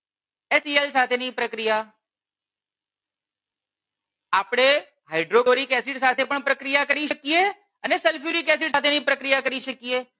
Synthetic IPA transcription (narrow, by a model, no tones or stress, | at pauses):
esielsat̪ʰenipɾəkɾija | apɽ̃e | ɦaɪɖɾoɡoɾikɛsiʈsat̪ʰepəɳpɾəkɾijakəɾiʃəkije | ənesɛlfjuɾikɛsɪʈsat̪ʰenipɾəkɾijakəɾiʃəkie